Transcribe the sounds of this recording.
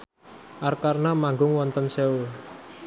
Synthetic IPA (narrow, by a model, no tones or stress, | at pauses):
ʔarkarnamaŋɡʊŋwɔnt̪ənsewo